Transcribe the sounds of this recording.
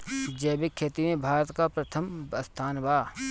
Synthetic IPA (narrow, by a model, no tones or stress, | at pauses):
d͡ʒɛːbɪkʰːeːt̪imẽbʱaːɾət̪kapɾɐt̪ʰəmbɐst̪ʰaːnbaː